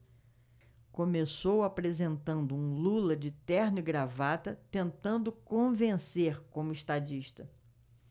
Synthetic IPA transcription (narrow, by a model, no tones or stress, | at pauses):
kõmesowapɾezẽnt̪ɐ̃nd̪ʊũlulɐd͡ʒɪt̪ɛɾnɪɡɾavat̪ɐt̪ẽnt̪ɐ̃nd̪ʊkõvẽseɾkõmʊiʃt̪ad͡ʒiʃt̪ɐ